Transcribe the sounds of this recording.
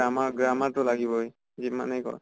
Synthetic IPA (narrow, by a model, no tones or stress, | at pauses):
amaɡɹamatʊlaɡibɔj | zima̰nɛjkɔ̰ɹ